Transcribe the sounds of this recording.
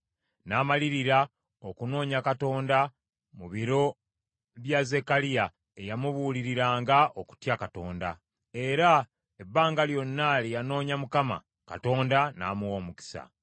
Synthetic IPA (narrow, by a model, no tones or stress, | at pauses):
naːmaliɾiɾa | okuno̞ːɲakato̞ːnda | muβiɾo̞ | βjaze̞kalija | ejamuβuːliɾiɾaːŋɡaʔoku̥tjakato̞̰ːnda̰ | e̞ɾa | ebːaːŋɡaljo̞nːalijano̞ːɲamukama̰ | ka̰to̞ːndana̰ːmuwoːmuki̥sa̰